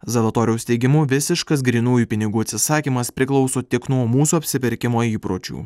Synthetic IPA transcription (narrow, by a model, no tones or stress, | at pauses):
zɐlˠɐt̪oːɾʲjɛʊst̪ʲɛɪɡʲɪmʊʋʲɪsʲɪʃkɐs̬ɡɾʲiːnuːjuːpʲɪnʲɪɡuːɐt̪ʲsʲɪsɑːkʲiːmɐspʲɾʲɪklˠɒʊsoːt̪ʲɪknuɔmuːsuːɐpʲsʲɪpʲɪɾʲkʲɪmoːiːpɾoːt͡ʃʲṵː